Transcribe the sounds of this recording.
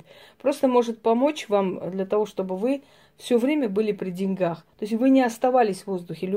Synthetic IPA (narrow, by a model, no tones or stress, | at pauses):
tʲ | pɾo̞st̪əmo̞ʐɨt̪̚pɐmo̞t͡ɕvamd̪lʲɐt̪ɐvo̞ʂt̪o̞bɨvɨ | fsʲɵvɾʲemʲəbɨlʲɪpɾʲɪdʲɪnʲɡaxt̪oɪs̬ʲvɨnʲɪɐst̪ɐvalʲɪsʲvo̞zd̪ʊxʲɪlʲʊ